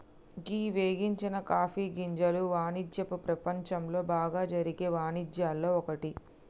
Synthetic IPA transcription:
ɡiːʋeːɡiɲt͡ʃinɐkaːfiːɡiɲd͡ʒɐluʋaːnid͡ʒjɐpupɾɐpɐɲt͡ʃɐmlo̞ːbaːɡaːd͡ʒɐɾiɡeːʋaːnid͡ʒjaːlːo̞ːɔkɐʈi

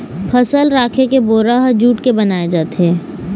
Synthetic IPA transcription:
pʰɐsəlɾaːkʰekeboːɾaɦd͡ʒuːʈkebɐnaːed͡ʒaːt̪eɦɛː

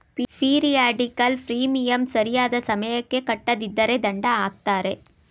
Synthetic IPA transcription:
ppiːɾijaːɖɪkːɐlfɾiːmijɐmsɐɾɪjaːðɐsɐmɐjɐkːekɐʈːɐðɪd̪ːɐɾed̪ɐɳɖɐaːk̚t̪aːɾe

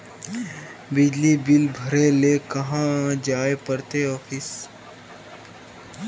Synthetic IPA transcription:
bɪd͡ʒlibɪlbʱəɾelekɐɦãd͡ʒaːepəɾt̪eɔːfʰɪs

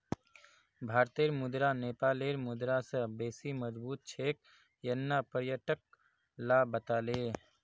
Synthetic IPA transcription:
bʱaːɾt̪eːɾmʊd̪ɾaneːpaːleːɾmʊd̪ɾasə̃beːsiməd͡ʒbuːt̪̚t͡ʃʰeːk̚ | jənːapəɾjəʈək̚ | laːbət̪aːleː

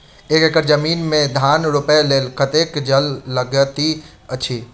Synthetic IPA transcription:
eːkekəɾd͡ʒəmiːnmẽd̪ʱaːnɾʊpeleːlkət̪eːkd͡ʒəlːəɡət̪i | ət͡ʃʰiː

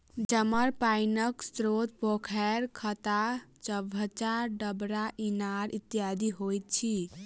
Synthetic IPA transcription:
d͡ʒəməɾpainəkst̪ɾot̪̚pokʰɛɾkʰət̪at͡ʃəbʱət͡ʃaɾɖəbɾaʔinaɾʔit̪ijad̪ʱiɦojt̪̚t͡ʃʰi

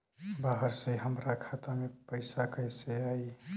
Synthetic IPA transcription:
baɦəɾseɦəmɾakʰat̪amepəɪsakəɦjseaːi

